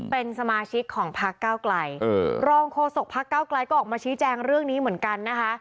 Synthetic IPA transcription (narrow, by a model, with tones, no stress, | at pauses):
pe˧nsa˧maː˧t͡ɕʰi˦˥kʰːɔː˩˦ŋpʰa˦˥kkːaː˥˩wkla˧jʔɤː˧˩ɾɔː˧ŋkʰoː˧so˨˩k̚pʰa˦˥kːaː˥˩wkla˧jkɔː˥˩ʔɔː˨˩kmaː˧t͡ɕʰiː˦˥t͡ɕɛː˧ŋɾɯ˥˩əŋniː˦˥mɯ˩˦nka˧nːa˦˥kʰa˦˥